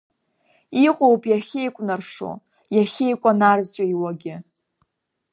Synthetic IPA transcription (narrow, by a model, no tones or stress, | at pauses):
iqʼowpʼʰjaχʲejkʷʼnarʂo̰ | jaχʲejkʷʼanarvt͡ɕʷʼaiwaɡʲɪ